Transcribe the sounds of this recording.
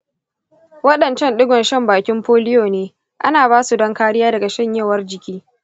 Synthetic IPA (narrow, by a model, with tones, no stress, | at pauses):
wɐ˦ɗɐ˨nt͡ʃɐ˦nɗʊ˦ɡʷɔ˨nʃɐ˦mbaː˨kʲɪ˦mɸoː˦lɪ˦joː˨neː˦ | ʔa˦naː˨baː˦su˨dɐ˦ŋkaː˦ɽɪ˦jaː˦dɐ˨ɡa˨ʃɐ˦˨ɲjɐ˦˨wɐ˦rd͡ʒɪ˨kʲiː˦